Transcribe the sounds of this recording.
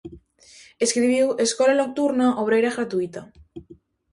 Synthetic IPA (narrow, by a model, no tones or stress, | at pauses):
e̞skɾiβ̞iwe̞skolalok̚t̪uɾnaʔoβ̞ɾejɾaɣɾat̪uit̪a